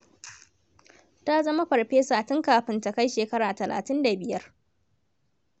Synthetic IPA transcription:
ta˦zɐ˦ma˦ɸɐ˨ɽɸeː˦saː˨tɪ˦ŋkaː˨ɸɪ˦nta˨ka˦jʃeː˨kɐ˦ɾaː˨tɐ˨lʔa̰ː˨tɪ˦nda˨bɪ˨jɐ˦r

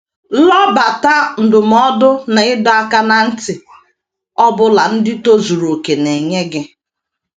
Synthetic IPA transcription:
lɔ˦ba˨ta˦n̩˨dʊ˨m̩˨˦ɔ˦dʊ˦na˨ɪ˦dɔ˦a˦ka˦na˨n̩˦tɪ˨ | ɔ˦bʊ˦la˨n̩˦dɪ˦to˦zu˨ɾo˨ke˨ne˨ɲe˦ɡɪ˦

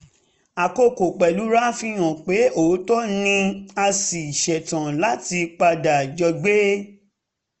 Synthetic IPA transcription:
a˨ko˧ko˨k͡pɛ˨lu˨˦ɾa˦fĩ˧j̃ɔ̃˨k͡pe˨˦o˨˦tɔ˦nĩ˧a˧si˨i˨ʃɛ˨tã˨la˨˦ti˧k͡pa˧da˨d͡ʒɔ˧ɡ͡be˦

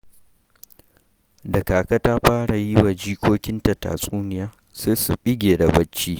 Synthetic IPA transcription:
dɐ˨kaː˨kɐ˦taː˦ɸaː˦ɽa˨ji˦wa˨d͡ʒiː˦kʷoː˦kʲɪ˦nta˨ta̰ː˨sʼuː˦nɪ˨jaː˦ | seː˦su˨ɓɪ˦ɡʲeː˨da˨bɐ˦t͡ʃːiː˦

